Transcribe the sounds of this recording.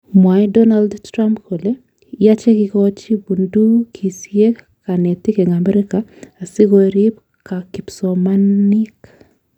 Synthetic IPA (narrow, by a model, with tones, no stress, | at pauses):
mwa˨dɔ˦na˦ldtɾa˦mpkʰo˨le˦ | ja˦t͡ʃe˦kɪkɔt͡ʃi˦bu˨ndu˦kʰi˨sie˦ | ka˨ne˨t̪ɪ˦ke˨ŋa˨mɛ˦ɾɪkaː˨sɪ˦ɡo˨ɾi˦p | ka˨kipsɔmani˦k